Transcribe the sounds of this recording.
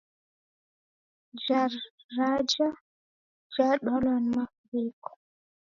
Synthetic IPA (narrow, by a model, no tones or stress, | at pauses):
d͡ʒaɾːad͡ʒa | d͡ʒaɗɔlɔnmafɾikɔ̥